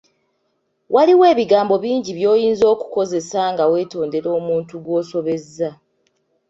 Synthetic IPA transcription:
wʔaliwe̞ːβiɡaːmbo̞βiːɲɟiβjo̞ːjiːnzo̞ːku̥ko̞zesaŋɡawe̞ːto̞ːnde̞ɾo̞ːmuːntuɡwo̞ːso̞βe̞zːa

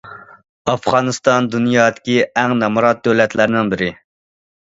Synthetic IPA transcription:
ɑfʁɑnɨst̪ɑnd̪unjɑːd̪ɪ̥kʲiɛŋnɑmɑɾɑt̪̚d̪øwlɛt̪læɾɪnɪŋbɪɾɪ

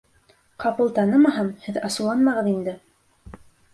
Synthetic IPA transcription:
qɑpɤlˠt̪ɑnɤmɑɦɑmhɘðɑsɤ̆lˠɑnmɑʁɤðind̪ɘ

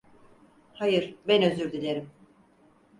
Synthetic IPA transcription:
hajɯɾ̥bɛnø̞zyɾd̪ilʲeɾim

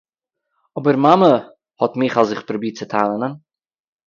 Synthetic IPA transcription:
ɔbəɾmamə | hɔtmɪχazɪχpɾɔbiːt͡sətʰaːnˠənən

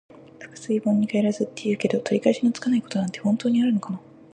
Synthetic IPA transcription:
ɸɯ̟̥kɯ̟̥sɨibõɲ̟ːikaeɾazɨt̪ːe̞jɯ̟ːke̞d̪o̞t̪ʰo̞ɾʲikaeɕinʲot͡sɨ̥kanaiko̞̥t̪o̞nãnt̪e̞hõ̞nt̪o̞ːɲ̟iaɾɯ̟no̞kana

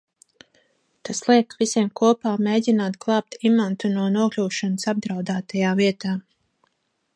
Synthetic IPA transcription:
t̪aslˠiɛkvisʲiɛmkuɔpaːmeːdʲinaːt̪ɡlˠɑːp̚t̪imant̪unuɔnuɔklʲuːʃɔnəsab̚d̪ɾawd̪aːt̪ajaːviɛt̪aː

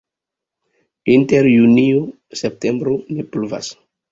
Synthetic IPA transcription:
inteɾjunio | sep̚tembɾonipluva̰s

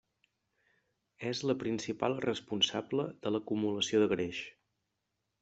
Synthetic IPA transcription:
ɛzləpɾinsipa̰lˠrəspunsabləðələkumuləsioðəɣɾeʃ

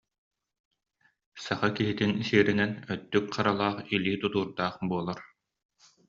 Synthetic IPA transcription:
saχakiɦit̪insiːɾinɛnœt̪ːykχaɾalˠaːχiliːt̪ut̪uːɾd̪aːχbuɔlˠaɾ

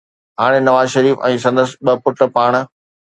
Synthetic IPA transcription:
ɦaːɽ̃enɐʋaːzʃɐɾiːfɛ̃ːsɐ̃nd̪əsɪɓɐpʊʈpaːɽ̃

